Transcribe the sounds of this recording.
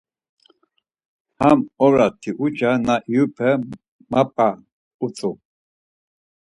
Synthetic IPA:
hamɔɾat̪ʰiʔut͡ʃanaʔiupʰɛ | mapʼa | ut͡sʼu

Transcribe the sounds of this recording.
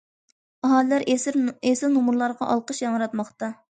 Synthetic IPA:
ɑɦɑlɪlæɾʔesɾesɪlnumuɾlˠɑɾʁɑ̰ʔɑlˠqəʃjɑŋəɾɑt̪mɑχt̪ɑ

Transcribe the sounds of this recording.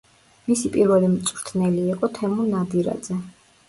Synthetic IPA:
misipʼiɾvɛlimt̪sʼvɾt̪ʰnɛliːqʼɔt̪ʰɛmunad̪iɾa̰d̪zɛ

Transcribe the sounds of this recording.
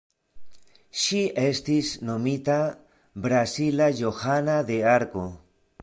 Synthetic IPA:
ʃiest̪isnomit̪a | bɾasilajoxanad̪eaɾko

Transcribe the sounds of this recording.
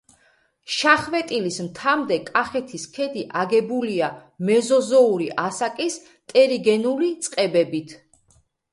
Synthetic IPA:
ʃaχvɛt̪ʼilismt̪ʰamd̪ɛkʼaχɛt̪ʰiskʰɛd̪iʔaɡɛbuliamɛzɔzɔuɾiʔasakʼis | t̪ʼɛɾiɡɛnulit̪sʼqʼɛbɛbit̪ʰ

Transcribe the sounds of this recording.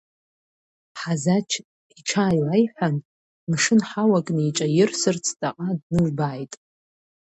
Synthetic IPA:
ħazat͡ʃʰ | iʈ͡ʂʰaːjwajħʷᶣan | mʂɨnħawakʼnɨiʈ͡ʂʼajɪrsɨrt͡sʰtʼaqʼadnɨʒbaːjtʼ

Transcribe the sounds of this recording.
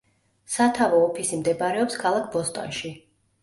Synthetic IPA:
sat̪ʰavɔːpʰisimd̪ɛbaɾɛɔpskʰalˠak̚ʰbɔst̪ʼɔ̰nʃi

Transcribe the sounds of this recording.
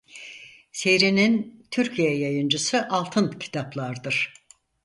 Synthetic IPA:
se̞jɾinint̪ʰyɾcʰijɛjajɯnd͡ʒɯsɯʔalˠt̪ʰɯncʰi̥t̪ʰaplˠaɾd̪ɯɾ̥

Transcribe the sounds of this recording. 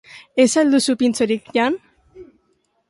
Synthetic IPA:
esald̪usupint͡soɾikʎan

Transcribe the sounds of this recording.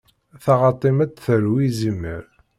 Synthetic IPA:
θɑʁɑt̪ˤimæd̪θəɾwizimːə̰ɾ

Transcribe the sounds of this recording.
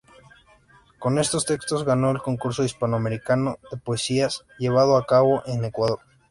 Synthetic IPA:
ko̞ne̞st̪o̞st̪e̞kst̪o̞zɣano̞elko̞ŋkuɾso̞ispanoame̞ɾikanoðe̞poesias | ʝe̞β̞að̞oakaβo̞ʔene̞kwaðo̞ɾ

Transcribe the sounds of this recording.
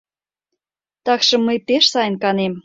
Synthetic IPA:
t̪ɑkʃɤ̆mːəjpeʃsɑjənkɑnem

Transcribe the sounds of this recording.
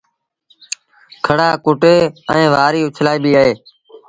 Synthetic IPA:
kʰəɽaːkʊʈeːəẽːʋaːɾiːʊt͡ʃʰlaːiːbiːaɦeː

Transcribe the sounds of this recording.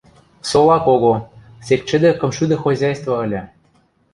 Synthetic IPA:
solɑkoɣo | sek̚t͡ɕɘ̆d̪ĕkɤ̆mʃyd̪ɤ̆xozʲɑjst̪vɑə̆lʲĕ

